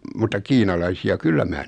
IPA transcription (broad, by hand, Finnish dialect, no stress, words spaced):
mutːɑ kiːnɑlɑisiɑ kylːæ mæː